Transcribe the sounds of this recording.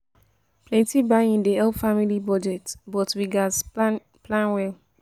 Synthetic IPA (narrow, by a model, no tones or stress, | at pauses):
pʰlɛ̃ntibaĩndiɛlfamilibɔd͡ʒɛtbɔtwiɡaz | plãnwɛl